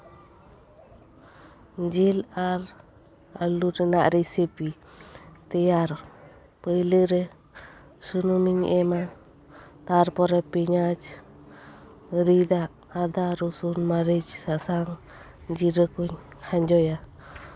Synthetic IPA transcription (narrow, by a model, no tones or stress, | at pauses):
d͡ʒilaɾ | aluɾɛnaʔɾisipi | t̪ɛjaɾ | pəjləɾɛ | sunumiɲɛma | t̪aɾpɔɾɛpiɲad͡ʒ | ɾid̪aʔːd̪aɾusunmaɾid͡ʒsasaŋ | d͡ʒiɾəkuɲ | haɲd͡ʒɔja